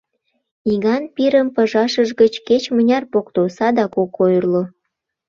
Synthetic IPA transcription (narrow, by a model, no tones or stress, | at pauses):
iɣɑnpiɾəmpəʒɑʃəʒɣət͡ɕket͡ɕmənʲɑrpokt̪osɑd̪ɑkokojrlo